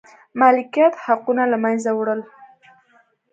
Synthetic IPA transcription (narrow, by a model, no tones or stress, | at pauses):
malɪkijat̪haqunalamanzawɽəl